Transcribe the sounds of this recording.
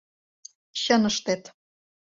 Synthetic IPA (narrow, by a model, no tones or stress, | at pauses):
ɕɤ̆nɤ̆ʃt̪et̪